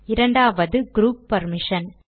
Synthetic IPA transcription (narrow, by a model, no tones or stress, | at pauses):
ɪɾɐɳɖaːʋɐðɯɡɾuːpːɐɾmɪʂɐn